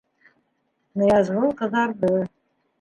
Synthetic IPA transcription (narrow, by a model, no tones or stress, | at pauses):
nɤ̆jɑzʁɤlˠqɤ̆ðɑɾðɤ